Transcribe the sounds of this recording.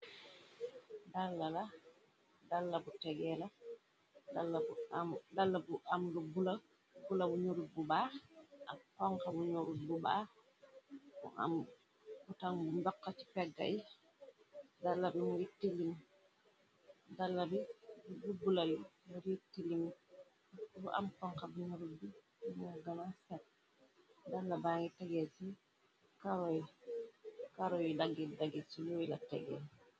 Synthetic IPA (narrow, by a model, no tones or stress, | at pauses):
dalːala | dalːabutɛɡɛla | dalːabudalːabuamlubula | bulabuɲoɾububaʔamkɔŋkabuɲoɾububa̰ | ɔ̰a̰m | kutaŋbundɔkːat͡ʃi̥pɛɡːa̰j | dalːabɛmujitːilim | dalːabɛdubulalimɔɾitːilim | bɔʔa̰mpɔŋkabinuɾubi | mɔɡamasɛt̚ | dalːabaŋɡitaɡɛsi | kaɾɔji | kaɾɔjidaɡidaɡisijoilatɛ̰ɡɛ̰